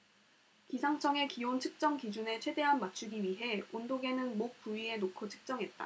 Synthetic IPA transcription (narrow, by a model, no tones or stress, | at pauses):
kisʰaŋt͡ɕʰʌŋe̞kiont͡ɕʰɯk̚t͡ɕ͈ʌŋkid͡ʑune̞t͡ɕʰwe̞de̞ɦanmat͡ɕʰuɡiɥiɦe̞ondoɡe̞nɯnmok̚p͈uɥie̞nokʰot͡ɕʰɯ̥k̚t͡ɕ͈ʌŋɦe̞t̚t͈a̰